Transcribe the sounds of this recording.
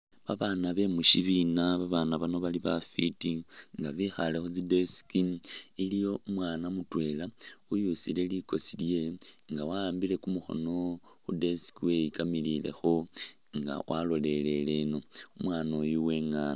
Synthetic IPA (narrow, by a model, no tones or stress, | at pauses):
βaβanaβe̞muʃiβinaβaβanaβano̞βaliβafitiŋɡaβixale̞xod͡zide̞si̥kiilijo̞umwaːnamutwe̞laujusḭle̞liko̞silje̞ŋɡawaːmbile̞kumuxo̞̰no̞ | xude̞si̥kiwe̞ikamilile̞̰xo̞ | ŋɡa̰wʔalo̞le̞le̞le̞no̞umwaːno̞juwe̞ːŋaːna